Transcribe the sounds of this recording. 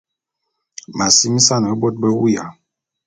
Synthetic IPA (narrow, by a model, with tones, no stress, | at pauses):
ma˨si˦mi˦sa˦n˨ɛ˦bɔ˦t̚bɛ˦wu˦ja˨